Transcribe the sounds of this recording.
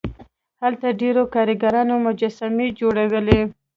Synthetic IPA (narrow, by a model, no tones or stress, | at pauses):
halt̪aɖeɾokɑɾəɡaɾɑnomʊd͡ʒasamed͡ʒoɽawəle